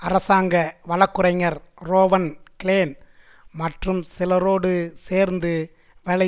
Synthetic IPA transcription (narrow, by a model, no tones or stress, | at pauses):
ɐɾɐsaːŋɡɐʋɐlɐkːɯɾɐɪŋɐɾɾoːʋɐnkɪleːn | mɐʈrɯmsɪlɐɾoːɽɯseːɾnd̪ɯ | ʋɛɭɐ